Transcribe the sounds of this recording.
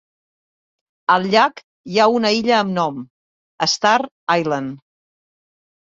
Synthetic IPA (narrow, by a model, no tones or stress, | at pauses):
əlˠʎak | jaunəiʎəːmnɔm | əst̪aɾ | ajlən